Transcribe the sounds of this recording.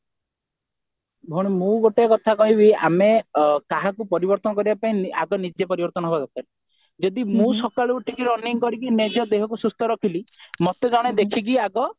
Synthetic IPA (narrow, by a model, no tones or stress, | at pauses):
bʱoɽ̃imũɡoʈeɔkɔt̪ʰakɔɦĩbia̰mekaɦakupɔɾibɔɾt̪ɔnɔkɔɾibapaĩa̰ɡɔnid͡ʒepɔɾibɔɾt̪ɔnɔɦebazat̪aɾi | d͡ʒɔd̪imũsɔkaɭuʈikiɾɔnːiŋkɔɾikined͡ʒɔd̪eɦɔkusust̪ʰɔɾɔkʰilimɔt̪ed͡ʒaɽ̃ed̪ekʰik̬iaɡɔ